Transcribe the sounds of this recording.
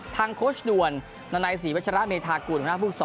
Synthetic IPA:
t̪ʰaː˧ŋkʰoː˦˥sdu˧ənː | aː˧naː˧js̬iː˩˦wt̚t͡ɕʰa˧ɾa˦˥ʔmeː˧t̪ʰaː˧kuː˨˩npa˧a˦˥pʰuː˥˩k̚sɔː˨˦

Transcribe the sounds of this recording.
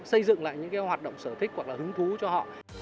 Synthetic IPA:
sə˧jzɨ̰˧˨ŋla̰ː˧˨jɲɨ̰˧˥ŋkaː˨˦jhwaː˨˩t̚ɗə̰˧˨wŋ͡msəː˧˩t̪ʰï˦˥k̚hwa˨˩k̚laː˨˩hɨ˨˦ŋt̪ʰu˨˦t͡ɕɔ˧ɦɔ̰˧˨

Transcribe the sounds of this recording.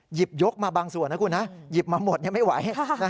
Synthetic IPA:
ji˨˩p̚jo˦˥k̚maː˧baː˧ŋsu˨˩ənːa˦˥kʰu˧nːa˦˥ji˨˩p̚maː˧mo˨˩t̪̚ɲa˥˩ma˥˩jwa˩˦jna˦˥

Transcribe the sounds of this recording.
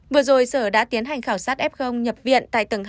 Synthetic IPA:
vɨ˨˩əzo˨˩jsəː˧˩ɗa̰ː˧˥t̪i˨˦ənɦa˨˩jŋ̟xaː˧˩wsaː˦˥t̚ʔɛ˦˥p̚xə˧wŋ͡mɲə˨˩p̚vḭ˧˨ənt̪a̰ː˧˨t̪ɨ˨˩ŋ

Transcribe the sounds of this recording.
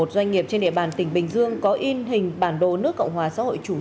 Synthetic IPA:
o˨˩t̚zwa˧jŋ̟ŋi˨˩əp̚t͡ɕe˧nɗḭ˧˨əɓaː˨˩nt̪ï˧˩ŋ̟ɓï˨˩ŋ̟zɨ˧əŋkɔ˨˦ʔi˧nhï˨˩ŋ̟ɓaː˧˩nɗo˧˨˩nɨ˦˥əkːə̰˧˨wŋ͡mhwaː˨˩sa̰ː˧˥ho̰˧˨jt͡ɕu˧˩

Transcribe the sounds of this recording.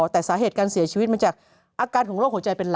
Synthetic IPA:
t̪ɛː˨˩saː˩˦ɦeː˨˩t̪̚kaː˧nsi˨˩˦t͡ɕʰi˧wt̪̚maː˧t͡ɕaː˨˩k̚ | ʔaː˧kaː˧nkʰɔː˩˦ŋɾo˥˩k̚ho˩˦t͡ɕa˧jpe˧nl

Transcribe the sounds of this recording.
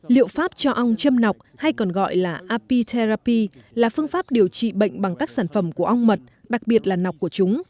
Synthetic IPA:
lḭ˧˨əwfaː˦˥p̚t͡ɕɔ˧ʔə˧wŋ͡mt͡ɕə˧mna˨˩wk͡p̚ha˧jkɔ˨˩nɣɔ̰˧˨jlaː˨˩ʔaː˧pi˧t̪ʰe˧ɾaː˧pi˧laː˨˩fɨ˧əŋfaː˦˥p̚ɗi˨˩əwt͡ɕḭ˧˨ɓə̰˧˨jŋ̟ɓa˨˩ŋkaː˦˥k̚saː˧˩nfə˧˩mku˧˩əʔə˧wŋ͡mmə˨˩t̚ɗa˨˩k̚ɓi˨˩ət̚laː˨˩na˨˩wk͡p̚kːu˧˩ət͡ɕʊ˨˦ŋ͡m

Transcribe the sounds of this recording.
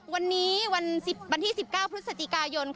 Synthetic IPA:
wa˧nːiː˦˥wa˧nsi˨˩p̚wa˧nt̪ʰiː˥˩si˨˩p̚kaː˥˩pʰɾɯ˦˥t̪̚sa˨˩t͡ɕ̪ʰi˨˩kaː˧jo˧nkʰ

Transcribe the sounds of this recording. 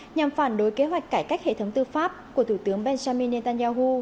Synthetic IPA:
ɲa˨˩mfaː˧˩nɗo˨˦jke˨˦ɦwa˨˩jk̟̚kaː˧˩jkaː˦˥k̚hḛ˧˨t̪ʰwŋ͡mt̪ɨ˧faː˦˥p̚ku˧˩ət̪ʰu˧˩t̪ɨ˨˦əŋɓɛ˧nza˧mi˧ne˧t̪aː˧nzaː˧ɦu˧

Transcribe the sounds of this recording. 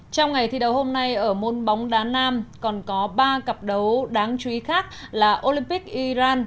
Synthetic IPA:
t͡ɕɔ˧wŋ͡mŋa˨˩jt̪ʰi˧ɗə˨˦who˧mna˧jʔəː˧˩mo˨˩nɓa˨˦wŋ͡mɗaː˨˦naː˧mkɔ˨˩nkɔ˨˦ɓaː˧kə˨˩p̚ɗə˨˦wɗaː˨˦ŋt͡ɕi˨˦xaː˦˥k̚laː˨˩ʔo˧li˧mpi˦˥k̚ʔi˧zaː˧n

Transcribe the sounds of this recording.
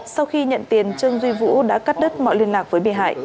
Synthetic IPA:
sa˧wxi˧ɲə̰˧˨nt̪i˨˩ənt͡ɕɨ˧əŋzwi˧vṵ˧˥ɗa̰ː˧˥ka˦˥t̚ɗə˦˥t̚mɔ̰˧˨jli˧ənlaː˨˩k̚vəː˨˦jɓḭ˧˨ɦa̰ː˧˨jʔ

